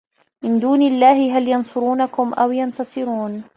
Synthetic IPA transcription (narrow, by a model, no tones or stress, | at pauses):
mɪnd̪uːnɪlːaːhɪɦaljɑnsˤʊɾuːnakʊmʔawjɑnt̪ɑsˤɨɾuːn